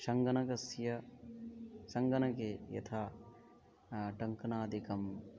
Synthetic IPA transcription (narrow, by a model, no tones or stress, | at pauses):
ʃɐŋɡɐnɐkɐsjɐ | sɐŋɡɐnɐkeːjɐ̰t̪ʰaː | ʈɐŋkɐnaːd̪ikɐm